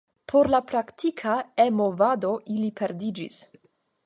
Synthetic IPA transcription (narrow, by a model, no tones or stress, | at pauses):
pʰoɾlapɾakt̪ʰikʰaemovad̪o̞ʔilipʰeɾd̪id͡ʒḭs